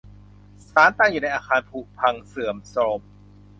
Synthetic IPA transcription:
saː˨˦nt̪aː˧˩ŋjuː˨˩na˧jʔaː˧kʰaː˧npʰu˧˩pʰa˧ŋsɯ˨˩əmso˧m

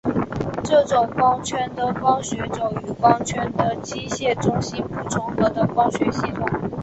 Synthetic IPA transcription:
ʈ͡ʂɤ˥˩ʈ͡ʂʊ˨˩ŋkɑ˥ŋt͡ɕʰɥɛ˥nd̪ə˨kɑ˥ŋɕɥɛ˧˥ʈ͡ʂo˨˩ʊy˨˩kɑ˥ŋt͡ɕʰɥɛ˥nd̪ə˨t͡ɕi˥ɕjɛ˥˩ʈ͡ʂʊ˥ŋɕi˥npu˥˩ʈ͡ʂʰʊ˧˥ŋxɤ˧˥d̪ə˧kɑ˥ŋɕɥɛ˧˥ɕi˥˩t̪ʰʊ˨˩ŋ

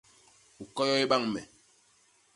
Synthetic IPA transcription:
u˨kɔ˦jɔ˦i˦ɓa˦˨ŋmɛ̰˨

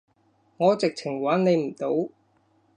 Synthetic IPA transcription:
ŋɔː˨˧t͡sɪ˨k̚t͡sʰɪ˨˩ŋwaː˨˥nne˨˧jm̩˨˩t̪o˨˥w

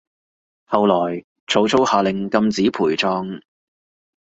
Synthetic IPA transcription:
hɐ˨wlɔː˨˩j | t͡sʰo˨˥wt͡sʰo˥whaː˨˧lɪ˨ŋkɐ˧mt͡siː˨˥pʰuː˨˩jt͡sɔː˧ŋ

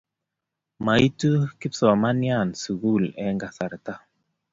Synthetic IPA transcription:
ma˨i˦tu˦ki˦psɔ˨ma˦nja˦˨nsu˨ɡu˦˨lɛ˨˦ŋɡa˨sa˨ɾta˦

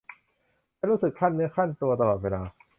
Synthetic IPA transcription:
a˥˩ɾuː˦˥sɯ˨˩kʰa˥˩nːɯ˦˥ɐkʰa˥˩nt̪u˧ɐt̪a˧lɔː˨˩t̪̚weː˧laː˧

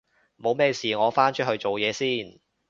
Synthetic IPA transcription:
mo˨˧wmɛː˥siː˨ŋɔː˨˧faː˥nt͡ʃʰɵ˥ɦɵ˧ɥt͡so˨wjɛː˨˧siː˥˩n

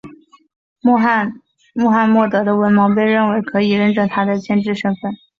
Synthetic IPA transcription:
n | mɔ˥˧xa˥˧nmwɔ˥˩t̪ɤ˧˥d̪ə˧wə˧˥nmɑ˧˥ŋp̬e˥˧ɪɻə˥˩nwe˧˥ɪkʰɤ˧˥i˨˩ɻə˥˧nʈ͡ʂɤ˥˩t̪ʰa˥d̪ə˨t͡ɕʰjɛ˥˧nʈ͡ʂɻ̩˥˩ʂɤ˥ŋfə˥˩n

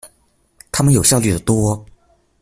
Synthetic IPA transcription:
t̪ʰa˥mə˨njo˨˩ʊɕjɑ˥˧ʊly˥˩d̪ə˩t̪wɔ˥

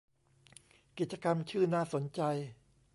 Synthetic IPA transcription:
ki˨˩t̪̚t͡ɕa˧ka˧mt͡ɕʰɯː˥˩naː˥˩so˩˦nt͡ɕa˧j

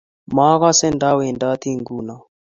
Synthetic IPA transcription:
ma˦ɣa˦sɛ˦nda˦wɛ˨nda˦t̪i˦ŋɡu˦˨na˨

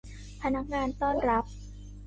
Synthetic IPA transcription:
pʰa˧na˦˥k̚ŋaː˧nt̪ɔː˥˩nɾa˦˥p̚

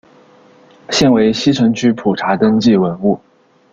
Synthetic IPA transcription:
ɕjɛ˥˩nwe˧˥ɪɕi˥ʈ͡ʂʰɤ˧˥ŋt͡ɕʰy˥pʰu˨˩ʈ͡ʂʰa˧˥t̪ə˥ŋt͡ɕi˥˩wə˧˥nu˥˩

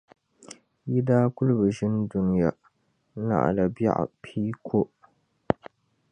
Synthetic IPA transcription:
jɪ˦daː˦kʷʊ˦lba˨ʃɪ˦ndu˦n˦ja˦ | na̰˨ʔa̰˨la˨ba̰˦˨ʔpʰiː˦kʰo˦ʔ

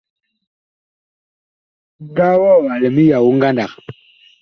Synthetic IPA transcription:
ɡa˦wɔ˦˨wa˨lɛ˨mi˦ja˨wu˦ŋ˦ɡa˦nda˨k

